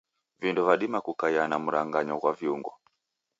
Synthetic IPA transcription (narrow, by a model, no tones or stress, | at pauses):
vindɔvaɗimakukaianamuɾaŋɡaɲɔkwaviuŋɡɔ̰